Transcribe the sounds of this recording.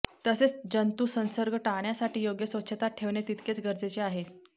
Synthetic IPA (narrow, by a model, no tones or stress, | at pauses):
t̪əset͡sd͡ʑənt̪usənsəɾɡʱəʈaɳjasaʈiːjoɡjəsʋəɕʰət̪aʈʰeʋɳet̪it̪ket͡sɡəɾd͡zet͡ɕeaɦe